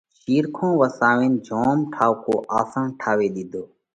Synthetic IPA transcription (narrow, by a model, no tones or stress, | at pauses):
ʃiːɾkʰõːʋəsaːʋẽːnd͡ʒʱoːmʈʰaːʋkoːʔaːsãːnʈʰaːʋeːɗ̪id̪ʱoː